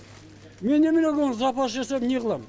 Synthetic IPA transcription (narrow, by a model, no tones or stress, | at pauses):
me̞nːemɪneɡʲonzɑpɑʃʒesepneʁəlˠɑm